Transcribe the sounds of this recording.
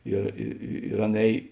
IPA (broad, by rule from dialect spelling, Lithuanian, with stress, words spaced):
ɪr ɪ ɪ ɪr ˈɐn ˈɛːj